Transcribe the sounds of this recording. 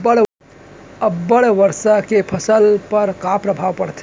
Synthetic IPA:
əɽ | əbːəɽʋəɾsakepʰəsəlpəɾkapɾəbʱaʋpəɽt̪ʰ

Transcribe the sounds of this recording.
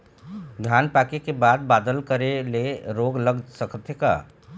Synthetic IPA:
d̪ʱjaːnpaːkekebaːd̪̚baːd̪əlkəɾeleɾoːɡləɡsəkʰt̪ʰeka̰ː

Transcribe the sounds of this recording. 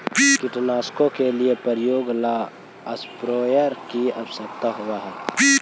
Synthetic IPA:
kɪʈnaːskõkeliepəɾjoːɡlaː | əspɾoːjəɾkiəbsəkt̪aɦuaɦɛː

